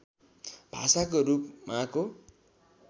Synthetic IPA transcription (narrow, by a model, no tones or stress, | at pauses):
b̥ʱa̰sakoɾupmako